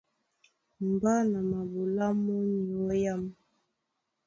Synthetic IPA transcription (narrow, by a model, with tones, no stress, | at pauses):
m˨ba˦na˨ma˨bu˨la˦mɔ˦ɲɔ˨˦ja˦m